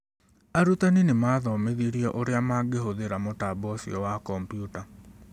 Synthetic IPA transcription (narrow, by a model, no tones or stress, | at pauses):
aɾutaninemaðɔmeðiɾiɔʔoɾeamaɡeɦoðeɾamotabɔsiɔwakɔmpjuta